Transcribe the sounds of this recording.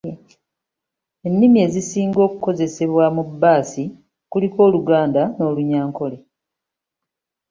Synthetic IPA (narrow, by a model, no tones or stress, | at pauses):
e̞nːimie̞ːzisiːŋɡo̞ːkuko̞ze̞se̞βwamubːaːsi | kuliko̞ːluɡaːndano̞ːluɲaːŋko̞le